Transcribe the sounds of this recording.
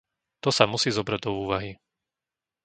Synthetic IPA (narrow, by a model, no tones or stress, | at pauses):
t̪ɔsamusiːzɔbɾaɟ̚d̪ɔuːʋaɦi